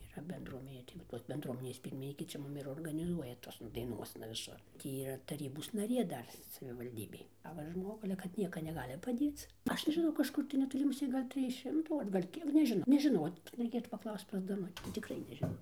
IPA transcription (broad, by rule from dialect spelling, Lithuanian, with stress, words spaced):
iːˈrɐ bʲɛndruɔˈmʲæːnʲeː tɐɪ ʋɐ ˈtoːs bʲɛndˈruɔmʲɪnʲeːs ˈpʲiːrʲmʲɪnʲiːkʲeː ˈt͡ʃʲɛ ˈmʊm ɪr oːrɡɐnʲɪˈzuɔjɛ ˈtoːsnɐ dɐɪˈnuɔsnɐ ʋʲɪˈsʊr ˈtʲiː iːˈrɐ tɐˈrʲiːboːs nɐˈrʲeː ˈdɐr sɐʋʲɪʋɐlʲˈdʲiːbʲeːj ɐ ˈʋɐ ˈʒmoːɡʊ ɐlʲɛ kɐt ˈnʲiɛkɐ nʲɛˈɡɑːlʲɪ pɐˈdʲeːt͡s ˈɐʃ nʲɛʒʲɪˈnɐʊ kɐʃˈkʊr tɐɪ nʲɛtoːˈlʲɪ mʊˈsʲeː ˈɡɐlʲ ˈtʲrʲɪj ˈʃʲɪmtuː ɐr ɡɐlʲ ˈkʲiɛk nʲɛʒʲɪˈnɐʊ nʲɛʒʲɪˈnoː rʲɛɪˈkʲeːtuː pɐˈklˠɐʊst pɐs dɐˈnʊtʲɪ tʲɪkˈrɐɪ nʲɛʒʲɪˈnɐʊ